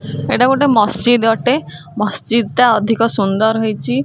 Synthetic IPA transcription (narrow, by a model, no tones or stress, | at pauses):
eʈakoʈemɔst͡ʃid̪ɡɔʈe | mɔst͡ʃid̪t̪aɔd̪ʱikɔsund̪ɔɾɦojt͡ʃʰi